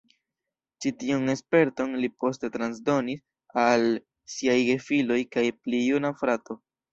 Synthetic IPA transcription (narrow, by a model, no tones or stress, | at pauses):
t͡ʃitiune̞spe̞ɾto̞nlipo̞ste̞tɾansdo̞nis | al | siajɡe̞filo̞jkajplijunafɾato̞